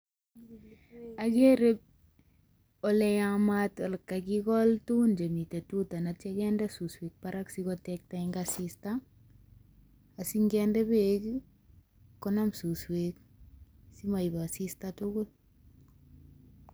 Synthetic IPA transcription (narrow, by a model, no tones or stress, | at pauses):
aɡeɾeb̚ | ɔlɛjamatɔlkːaɡikɔltund͡ʒemitetutanat͡ʃaɡɛndɛsuswek̚paɾaksikɔtɛk̚taiŋɡasista | asiŋɡɛndɛbek | kɔnamsuswek̚ | simajbasistatʊɡʊl